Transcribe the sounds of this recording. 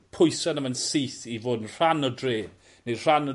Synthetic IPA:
pʰʊjsanəmənsiθivoːdnr̥anɔdre̥ː | ne̥r̥anɔ

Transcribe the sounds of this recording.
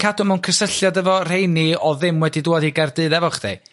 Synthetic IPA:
kʰadʊmawnkʰəsəɬjadəvɔr̥ejniɔðɨmwɛdidʊadiɡardɨːdɛvɔχd̥ḛj

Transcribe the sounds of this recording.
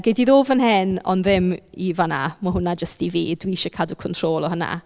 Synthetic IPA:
ɡɛdiðoːvənhɛnɔ̰nðɪmivana̰mɔɦʊnad͡ʒəstivḭːdwiɪʃɔkʰadukʰɔntʰr̥oːlˠɔhəna̰

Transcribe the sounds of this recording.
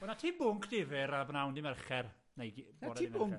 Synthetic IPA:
b̥ənatʰiːbʊŋkʰd̥ɪvɪɾabnawndɪmɛrχɛr | nejɡbaɔdiːʊŋk

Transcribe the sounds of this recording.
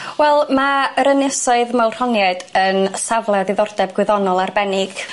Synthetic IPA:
wɛlˠmaəɾənɪsɔɨðmawr̥hɔnjɛdənsavlˠɛðɪðɔrd̥ɛb̚ɡwɪðɔnɔlˠarbɛnɪɡ̥

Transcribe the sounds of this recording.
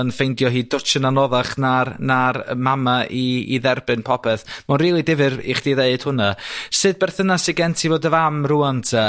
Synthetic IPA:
ənfejndjɔɦiːdʊt͡ʃənanɔðaχnaɾnamamaʔḭːðɛrbɨnpʰɔpʰɛθmanriːlˠidɪvɨɾḭχd̥iðeɨd̥hʊnasɨd̚bɛrθənasiɡɛntʰivoːdəvamruantʰə

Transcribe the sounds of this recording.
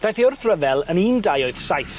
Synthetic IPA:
d̥ajθiʊrθrəvɛlˠəniːndajoɨð̥sajθ

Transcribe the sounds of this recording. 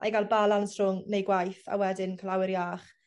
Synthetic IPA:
a̰jɡalˠbalˠalˠnsrʊŋnejɡwajθa̰wɛdɪnkʰəlawɪɾjaːχ

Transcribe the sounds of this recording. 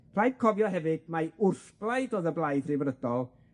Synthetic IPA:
pʰl̥ˠajd̥kʰɔvjɔɦɛvɨd̥̚maʊrθb̥lˠajdoːðəblˠajdrivɾəd̥ɔlˠ

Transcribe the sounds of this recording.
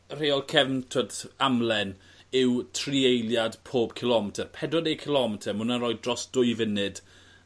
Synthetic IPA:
r̥eɔlˠkʰɛvntʰotamlˠɛn | ɪwtʰriejljadpʰoːb̥kʰɪlˠɔmɛtʰərpʰɛdwɔdejkʰɪlˠɔmɛtʰəmʊnanɾɔːj̚drɔsd̥ʊjvənɨd̥

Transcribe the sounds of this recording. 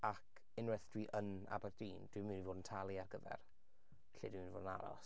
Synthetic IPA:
akʰ | ɪnrɛθd̥wiːʔəna̰bɛrdiːnd̥wimɨːnivoːdən̩tʰalˠiarɡəvɛ̰r | ɬḛdwimːnvo̰ːdəna̰ɾɔ̰s

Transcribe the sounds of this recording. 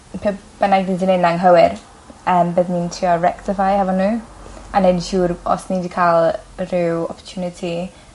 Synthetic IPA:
pʰɛb̥ənaɡdindinenaŋɦəwɪɾ | əːmbəðnintʰriɔɹɛktɪfajhavɔnuːanɛnʃuːɾɔ̰snidikʰalˠrɪwɔ̰pʰɔtʰjuːnɪtʰi

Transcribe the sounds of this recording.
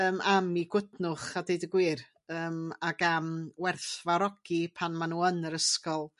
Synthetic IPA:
əːmamiɡwətnʊχadejdəɡwɪr | əːmaɡamwɛrθvaɾɔɡ̥ipʰanmanuːənəɾəskɔlˠ

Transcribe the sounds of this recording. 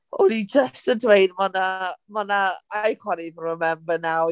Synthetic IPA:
ʊnid͡ʒəstədwejdmɔnamɔnaajkwɛɾiðnəmɛmbənaw

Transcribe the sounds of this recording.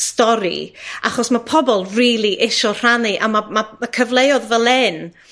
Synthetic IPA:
stɔɾḭa̰χɔsmapʰɔbɔlˠriːlˠiʔeʃɔr̥aniʔamamamakʰəvlˠejɔðvɛlˠɛn

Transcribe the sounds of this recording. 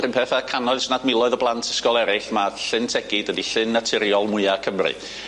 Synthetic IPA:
rɨmpʰɛθakʰanɔɨsnadmɪlˠɔɨðɔblˠantʰɪ̥skɔlˠɛɾɪɬmaɬɨntʰɛɡ̥ɪd̥wədiɬɨnːatʰɪɾjɔlˠmʊɨakʰəmrɨ̰

